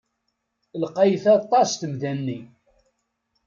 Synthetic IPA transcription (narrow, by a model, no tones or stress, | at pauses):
lqɑjθɑt̪ˤːɑst̪əmðænːi